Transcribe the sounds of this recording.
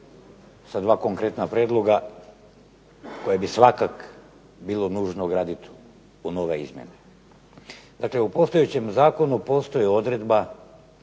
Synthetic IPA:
sad̪ʋaːko̞ŋkɾe̞t̪napɾeːd̪lˠo̞ɡa | ko̞jebisʋakak | biːlˠo̞nuːʒnoɡɾaːd̪it̪ | uno̞ʋe̞ḭzmjḛne | d̪akle̞upo̞st̪ojet͡ɕe̞mzaːko̞nupo̞st̪o̞jeo̞d̪ɾe̞d̪ba

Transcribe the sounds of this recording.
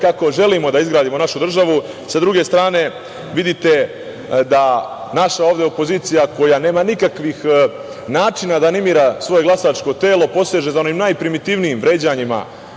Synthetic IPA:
kakoʒe̞limo̞d̪aizɡɾaːd̪imo̞naʃud̪r̩ʒaʋu | sad̪ɾuɡe̞st̪ɾaːne̞ | ʋid̪it̪e̞ | d̪anaʃaoːʋd̪e̞opo̞ziːt̪sijako̞jane̞ːmanikakʋix | naːt͡ʃinad̪anemiːɾasʋo̞je̞ɡlˠasaːt͡ʃko̞t̪e̞ːlo̞po̞seʒezao̞ʋiːmnajpɾimit̪iʋnijimʋɾe̞ːd͡ʑaɲima̰

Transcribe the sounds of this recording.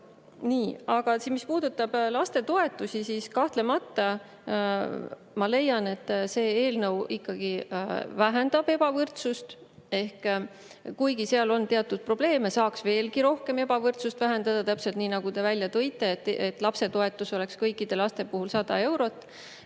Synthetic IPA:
niːɑɡ̥ɑsimispuːd̪̥ut̪ːˑɑb̥lɑst̪e̞t̪oe̞t̪ːˑusisiːskɑht̪le̞mɑt̪ːˑɑ | mɑle̞jɑne̞t̪ːˑse̞ːeːlnɤwikːɑɡ̥ivæɦend̪̥ɑb̥e̞b̥ɑvɤrt̪sust̪ | e̞hk | kujɡiseɑlo̞nt̪e̞ɑt̪ːud̪̥̚pro̞b̥le̞ːmesɑːksve̞ːlɡiɾo̞hke̞me̞bɑvɤrt̪sust̪væɦe̞nd̪ɑd̪̥ɑt̪æpse̞lt̪niːnɑɡ̥ut̪e̞vælʲjɑt̪ɤjt̪ˑːe̞t̪ːet̪ːˑlɑpse̞t̪oe̞t̪ːˑuso̞le̞kskɤjkːˑid̪̥e̞lɑst̪e̞puhulsɑd̪ɑ̰e̞wɾo̞t̪ːˑ

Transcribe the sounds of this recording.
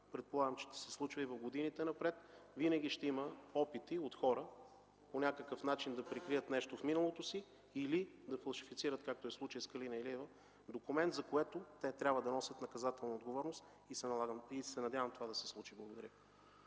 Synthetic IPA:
pɾɛt̪̚polˠaɡəmt͡ʃɛ̥ʃt̪ɛ̥sɛslˠut͡ʃvəivɐvɡod̪init̪ɛnɐpɾɛt̪vinəɡʲiʃt̪ɛiməɔpit̪iot̪xɔɾə | ponʲakəkəfnat͡ʃind̪ɐpɾɛkɾiət̪nɛʃt̪ofminəlˠot̪osi | ilid̪ɐfɐlˠʃifit̪siɾət̪kak̚t̪oɛslˠut͡ʃəjskɐlinɐɛliɛvə | d̪okʊmɛnt̪zɐkoɛt̪ot̪ɛt̪ɾʲabvəd̪ɐnɔsʲət̪nɐkɐzat̪ɛlˠnɐod̪ɡovɔɾnost̪ | isɛnɐaɡəmisɛnɐd̪ʲjavəmt̪ovad̪ɐsɛ̥slˠut͡ʃiblˠɐɡod̪ɐɾʲə

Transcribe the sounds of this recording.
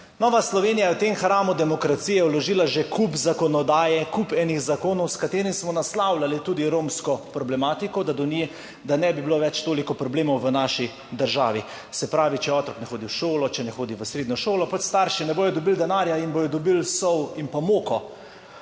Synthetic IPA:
nɔːʋaslɔʋeːnijajɛwt̪emxɾaːmud̪ɛmɔkɾat̪siːjɛwlɔʒiːlaʒekʰupzakɔnɔd̪aːjɛkupɛnixzakoːnɔwskat̪eːɾimsmɔnaslawlalit̪uːd̪iɾoːmskɔpɾɔblɛmaːt̪ikɔd̪ad̪ɔni | d̪anɛbibiloʋɛt͡ʃt̪oːlikɔpɾɔbleːmɔwʋənaːʃi | d̪əɾʒa̰ːʋi | sɛpɾaːʋit͡ʃɛɔːt̪ɾɔknɛxoːd̪iwʃoːlɔt͡ʃɛnɛxoːd̪iʋəsɾeːd̪nɔʃoːlɔpɔt͡ʃst̪aɾʃinɛboːjɔd̪ɔbild̪ɛnaːɾjainbojɔd̪ɔbilsɔwimpamoːkɔ

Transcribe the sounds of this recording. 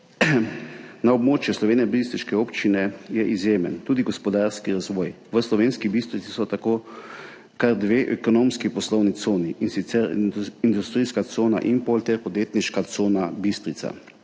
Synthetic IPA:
naɔbmoːt͡ʃjuslɔʋeːnɛbist̪ɾiʃkɛoːpt͡ʃinɛjɛʔizjeːmə̰nt̪uːd̪iɡɔspɔd̪aɾskiɾazʋɔːj | ʋəslɔʋeːnskibist̪ɾit̪sisɔt̪akoː | kaɾd̪ʋeːʔɛkɔnoːmskipɔslɔwnit̪soːniʔinsit̪sɛɾind̪ust̪ɾiskat̪soːna̰ʔimpolt̪ɛɾpɔd̪jeːt̪niʃkat̪soːnabist̪ɾit̪sa̰

